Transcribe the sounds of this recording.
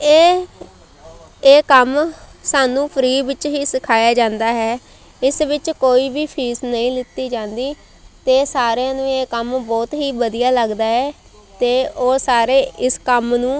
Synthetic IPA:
eː | eːkəm | saːnũːpʰəɾiːʋɪt͡ʃɦiːsɪkʰaːjaːd͡ʒãːnd̪aːɦɛː | ɪsʋɪt͡ʃkoːiːbiːpʰiːsnəĩːlɪt̪ːiːd͡ʒãːnd̪iː | t̪eːsaːɾeãːnũːeːkəmbɔːt̪ɦiːbəd̪ijaːləɡd̪aːɦɛː | t̪eːoːsaːɾeːʔɪskəmnũː

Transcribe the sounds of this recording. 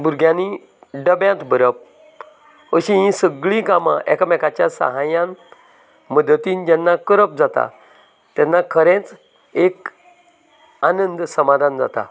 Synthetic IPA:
buɾɡʱjãni | ɖəbjãt̪bəɾəp̚ | əɕĩɦĩsəɡɭĩkamã̰ʔɛkmɛkat͡ɕjasə̰ɦajãn | məd̪t̪iːnd͡ʑɛnːakəɾəp̚d͡zat̪a̰ | t̪ɛnːakʰəɾẽt͡s | ek | anənd̪səmad̪ʱand͡za̰t̪a̰

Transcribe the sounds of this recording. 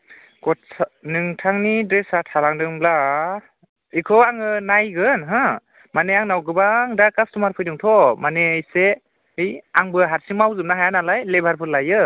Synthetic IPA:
ɡ̥ɔt̚snɯŋtʰaŋnidɾesatʰalaŋdɯŋbla | ikʰɔaŋɯnajɡɯnɦã | maneaŋnawɡɯbaŋdakastumaɾpʰɯjdɯŋtʰɔmanejse | ɯjaŋbɯɦaɾsiŋmawzɯm̚naɦajanalajlebʱaɾpʰɯɾlajɯ

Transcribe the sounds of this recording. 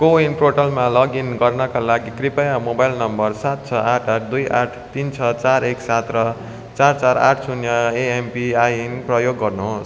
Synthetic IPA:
koinʈoʈʌlmalʌɡinɡʌrnʌkalaɡikripʌjamobajlnʌmbʌrsat̪̚t͡sʰʌʔaʈʰaʈ̚ʰd̪ujʔa̰ʈʰt̪int͡sʰʌt͡saɾeksat̪rʌ | t͡sart͡saɾa̰ʈʰsunjʌeempiajnprʌjoɡːʌrnuɦos

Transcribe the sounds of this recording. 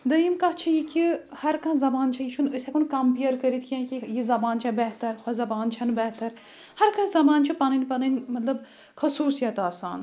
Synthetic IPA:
d̪ɐjimkɐɦt͡ʃʰijikʰʲihɐɾkɐ̃zɐbaːnt͡ʃʰɐjit͡ʃʰunəsʲɛkunkɐmpijɐɾkəɾit̪ʰkʰʲjãkʲijizɐbaːnt͡ʃʰɐbɐɦt̪ɐɾkʰʷɐzɐbaːnt͡ʃʰɐnbɐɦt̪ɐɾ | hɐɾkãzɐbaːnt͡ʃʰipɐnɨnʲpɐnɨnmɐt̪lɐb | xɐsuːsijɐt̪aːsa̰ːn

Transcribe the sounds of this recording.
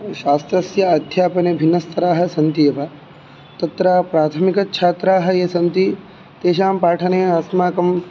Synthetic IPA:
ʃaːst̪ɾɐsjɐɐd̪ʱjaːpɐnebʱinːɐst̪ʰɐɾaːɦɐ̆sɐnt̪ijɐʋɐ | t̪ɐt̪ɾaːpɾaːt̪ʰɐmikɐt͡ʃʰaːt̪ɾaːɦɐ̆jesɐnt̪i | t̪eːʃaːmpaːʈʰɐneːaːsmaːkɐm

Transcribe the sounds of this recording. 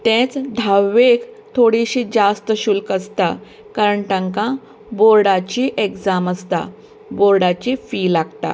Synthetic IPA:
t̪ɛ̃t͡sd̪ʱawːekt̪ʰoɽiɕiːd͡zast̪əɕulkəst̪a | kaɾəɳʈə̃ŋkã | boɾɽat͡ɕiʔeɡd͡zaməst̪a̰ | boɾɽat͡ɕifiːlaɡt̪a̰

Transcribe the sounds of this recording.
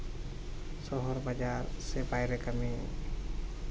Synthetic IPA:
sɔɦɔɾbad͡ʒaɾsɛbajɾɛkame

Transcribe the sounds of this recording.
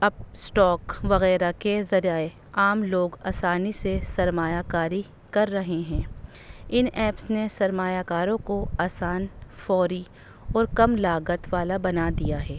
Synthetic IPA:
ɐb̚sʈɔːkʋɐɣɛːɾakezɐɾaːe | aːmloːɡaːsaːnisesɐɾmaːjakaːɾi | kɐɾːɐɦeɦɛ̃ː | ɪnɛːpsnesɐɾmaːjakaːɾõkoaːsaːnfɔːɾi | ɔːɾkɐmlaːɡət̪ʋaːlabɐnad̪ijaɦɛː

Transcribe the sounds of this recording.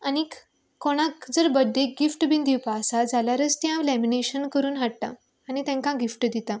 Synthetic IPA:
anik | koɽ̃ãkd͡zəɾbəd̪ːek̚ɡifʈbind̪iwpaːsad͡zaljaɾət͡st̪jãʋlɛmineɕənkəɾuːnɦaʈ̚t̪ã̰ː | nit̪ɛ̃ŋkãɡifʈd̪it̪ã

